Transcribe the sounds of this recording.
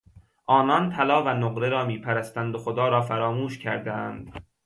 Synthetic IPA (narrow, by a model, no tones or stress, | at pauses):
ʔɒːnɒnt̪ʰælɒːvænoɢɾeɾɒːmiːpʰæɾæst̪ænd̪oxod̪ɒːɾɒːfæɾɒːmuːʃcʰæɾd̪æænd̪̥